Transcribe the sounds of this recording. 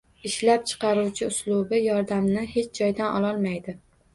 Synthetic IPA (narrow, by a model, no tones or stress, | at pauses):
ɪʃlap̚t͡ʃʰɨ̥qʰɑɾuwt͡ʃʰɪʊslˠʊbɪjɒɾd̪amnɪhe̞t͡ʃʰd͡ʒɒjd̪anʔɒ̰lˠɒlˠmajd̪ɪ